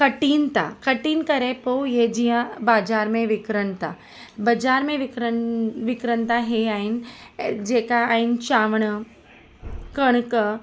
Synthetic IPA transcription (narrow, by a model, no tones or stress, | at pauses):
kəʈiːnt̪a̰kəʈiːnkəɾepowjed͡ʒiɦãbaːd͡ʒaːɾmẽʋikɾənt̪a | bɐd͡ʒaːɾmẽʋikɾənʋikɾənt̪aɦeaind͡ʒekaaint͡ʃaːʋɳə | kəɳkə